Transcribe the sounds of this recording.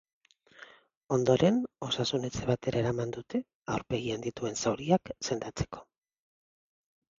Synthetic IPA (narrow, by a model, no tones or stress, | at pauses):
o̞nd̪o̞ɾe̞no̞sasune̞t͡seβ̞at̪e̞ɾʔaeɾamand̪ut̪e̞ | awɾpe̞ɣiand̪it̪ue̞nsawɾiakse̞nd̪at͡se̞̥ko̞